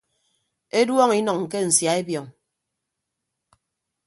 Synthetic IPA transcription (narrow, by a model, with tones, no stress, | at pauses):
e˦dwɔ˦ŋi˦nɔ˨ŋ̩ː˨ke˦n̩˨sja˨e˦bjɔ˨ŋ